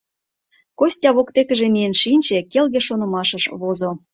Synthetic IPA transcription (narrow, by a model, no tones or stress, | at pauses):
kosʲtʲɑβokt̪ekə̆ʒĕmijenʃinʲt͡ɕĕkelɣĕʃonə̆mɑʃəʃβozo